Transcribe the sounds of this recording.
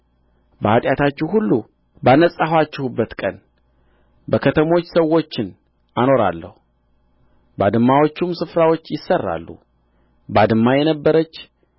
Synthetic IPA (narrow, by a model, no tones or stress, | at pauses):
bəhat̪ʼjat̪ʰat͡ʃːɛhulːu | banəsʼahwat͡ʃːɪhubːət̪kʼən | bəkʰət̪ʰəmo̞t͡ʃːsəwːo̞t͡ʃːɪn | ano̞ɾa̰lːə̰hu | bad̪ɨmːawo̞t͡ʃːumsɨfɾawo̞t͡ʃːjɪsːərːa̰lːṵ | bad̪ɨmːajɛnəbːəɾət͡ʃː